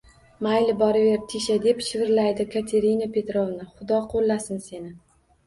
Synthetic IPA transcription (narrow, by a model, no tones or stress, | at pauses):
majlɪbɒɾɪve̞ɾt̪ʰiʃad̪e̞pʃɪvɪɾlajd̪ɪkʰat̪ʰe̞ɾinapʰe̞t̪ɾovnɪχʊd̪ɒqʰolˠːasɪnse̞nɪ